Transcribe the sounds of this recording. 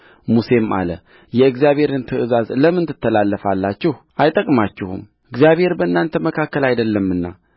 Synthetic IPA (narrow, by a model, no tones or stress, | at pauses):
muse̞mʔa̰lə̰ | jɛɨɡzjaβhe̞ɾɨnt̪ʰəʔɨzazləmːɨnt̪ʰɨt̪ʰːəlalːəfalːat͡ʃːɪhʔajt̪ʼəkʼmat͡ʃːɪhṵm | ɨɡzjaβhe̞ɾbəɨnːant̪ʰəməkʰakːəlajd̪əlːəmːɨnːa̰